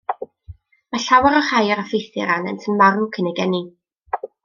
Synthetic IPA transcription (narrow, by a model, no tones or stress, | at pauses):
maɬawaɾɔrajaɾafejθɪɾanɛ̰ntʰənmarnkʰənɛɡɛni